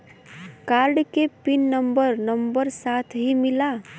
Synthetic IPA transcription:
kaɾɖkepinːəmbəɾnəmbəɾsat̪ʰɦimila

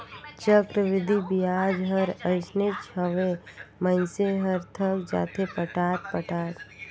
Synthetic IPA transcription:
t͡ʃəkɾəʋɪd̪ʱibijaːd͡ʒɦəɾəɪsnet͡ʃʰəʋemənseɦəɾt̪ʰəkd͡ʒa̰ːt̪ʰepəʈaːt̪̚pəʈaːt̪

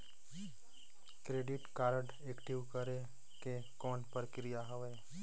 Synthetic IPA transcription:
kɾeːɖɪʈkaːɾɖ | eːkʈiʋkəɾe | ke | kɔːnpəɾkɪɾijaɦəʋeː

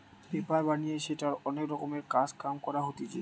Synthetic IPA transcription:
pepaɹbanieʃetaɹɔnekɾɔkɔmeɹkad͡zkamkɔɹaɦot̪id͡ʒḛ

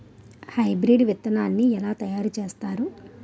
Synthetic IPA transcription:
hɐjbɾiɖʋit̪ːɐnaːnːiɛlaːt̪ɐjaːɾut͡ʃe̞ːst̪aːɾu

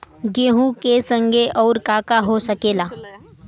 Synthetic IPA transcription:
ɡeɦũːkesəŋɡʱeʔɔwɾkakaɦosəkela

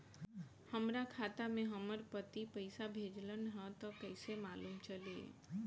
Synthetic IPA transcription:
həmɾakʰat̪amẽɦəməɾpət̪ipəɪsabʱed͡ʒlənɦə̃t̪ɔkəɪsemaːluːmt͡ʃəliḛ

